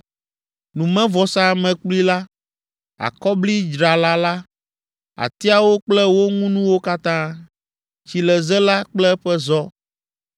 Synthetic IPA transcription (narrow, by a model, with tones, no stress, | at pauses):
nũ˨mɛ̃˦vɔ˨sa˦mɛ̃˨k͡pli˦la˦ | a̰˨kɔ˦bli˦d͡ʒɾa˨la˦la˦ | a̰˨t̪i˦a˨wo˦k͡plɛ˦wo˦ŋũ˦nũ˦wo˦ka˦t̪ã˦ | t͡ɕi˨lɛ˨zɛ˦la˦k͡plɛ˦ɸɛ˦zɔ˦